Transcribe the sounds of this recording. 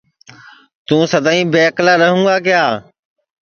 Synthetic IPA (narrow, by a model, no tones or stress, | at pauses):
t̪ũːsəd̪ʱãːĩːbeːklaːɾəɦũːɡaːkɪjaː